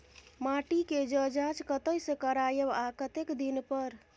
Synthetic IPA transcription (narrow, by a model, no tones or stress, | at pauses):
maʈiked͡ʒəd͡ʒat͡ʃkət̪əjsẽkəɾajəbakət̪ekd̪inpəɾ